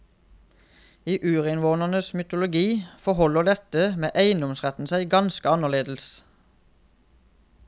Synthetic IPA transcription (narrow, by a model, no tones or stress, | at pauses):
iːʔʉːʁɪnʋoːnəʁnəsmʏt̪ʊlʊɡiːfɔhɔləʁd̪ɛt̪əmeːʔæɪnd̪ɔmsʁɛt̪n̩sæɪɡɑnskəɑnəʁleːd̪l̩s